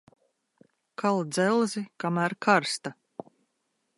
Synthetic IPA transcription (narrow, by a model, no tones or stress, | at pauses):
kʰalˠd̪zɛlˠzikamæːɾkʰaɾst̪a